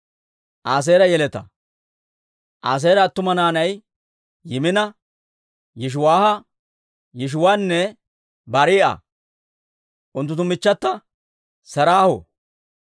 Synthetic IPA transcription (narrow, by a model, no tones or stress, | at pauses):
ʔaːs̬eːɾɐjɛlɛt̪ɐ̰ | ʔaːs̬eːɾɐːt̪ːʊmɐnaːnɐj | jɪmɪnɐ | jɛʃ̬ʊwaːhɐ | jɪʃ̬ʊwaːnːɛ | bɐɾiːʔɐ̰ | ʔʊnt̪ːʊt̪ːʊmɪt͡ʃːɐt̪ːɐ | sɐɾaːhɔ̰